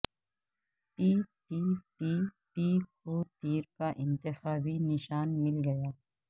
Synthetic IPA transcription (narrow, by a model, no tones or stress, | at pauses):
ʈiːʈiːʈiːʈiːkot̪iːɾkaʔɪ̃nt̪ɪxaːbinɪʃaːnmɪlɡɐjaː